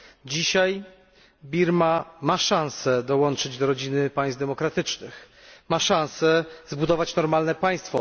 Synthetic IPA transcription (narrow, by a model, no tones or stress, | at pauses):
d͡ʑiɕaj | bʲiɾmamaʂãnsɛd̪ɔwɔnt͡ʂɘd͡ʑd̪ɔɾɔd͡ʑinɘpaj̃sd̪ɛmɔkɾat̪ɘt͡ʂnɘx | maʂãnsɛzbud̪ɔvat͡ɕnɔɾmalnɛpaj̃st̪fɔ